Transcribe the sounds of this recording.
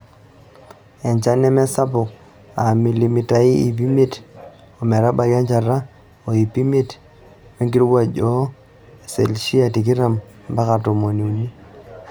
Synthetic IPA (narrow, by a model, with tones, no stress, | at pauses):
ɛ˨ɲt͡ʃa˦nɛ˦mɛ˦sa˦pʊ˨k̚ | a˨mi˨li˨mi˨ta˨i˦i˨pi˦me˦t | o˨mɛ˨ɾa˦ba˨ɡa˦ɲt͡ʃa˨ɾa˦ | o˨i˨pi˦me˦˨t | me˦ŋɡi˦ɾwa˦d͡ʒɔ˦ | e˨se˨lʃi˦a˨ti˨k̬i˦ɾa˨m | mba˦ka˨to˨mo˨ni˨u˨ni˦